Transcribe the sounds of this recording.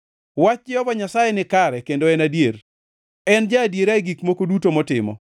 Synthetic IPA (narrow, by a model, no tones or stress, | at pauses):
wat͡ʃɪɔbaɲasajɛnɪkaɾɛkendoɛnadjeɾ | ɛnd͡ʒadjeɾaeɡikmokodutomɔtɪ̰mɔ̰